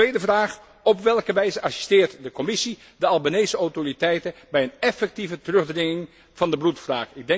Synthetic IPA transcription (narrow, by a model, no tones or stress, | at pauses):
ejdəvraːχ | ɔpʋɛlˠkəʋɛjzəɑsy̥stɪːɹtdəkɔmɪsi | dəɑlˠbanejsəɔwtoritɛjtənbɛjənɛfɛk̚tivətərɵχdrɪŋɪŋ | v̥ɑndəblutfraːkɪɡ̚dɛ